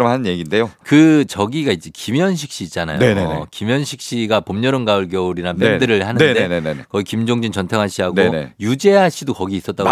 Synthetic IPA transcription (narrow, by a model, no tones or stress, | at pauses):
ɯmanɯnje̞ɡinde̞jokɯt͡ɕʌɡiɡaid͡ʑ͈ekimjʌnɕ̬ʰi̥k̚ɕ͈iːt̚t͡ɕ͈ana̰joenḛkimjʌnɕʰik̚ɕ͈iɡapomɲʌɾɯnɡaɯɭɡjʌuɾiɾap͈endɯɾɯɭhanɯndeneekʌikimd͡ʑoŋd͡ʑint͡ɕʌntʰʌŋɦaɕ͈ʰiɦaɡonejud͡ʑe̞ɦaɕʰidokʌɡiːs͈ʌt̚t͈a